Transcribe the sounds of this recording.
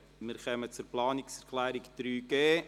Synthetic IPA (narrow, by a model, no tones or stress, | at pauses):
mɪɾχœmət͡sʊɾplɑːnɪksɛɾkʰlæːɾɪkd̪̥ɾyːɡ̥eː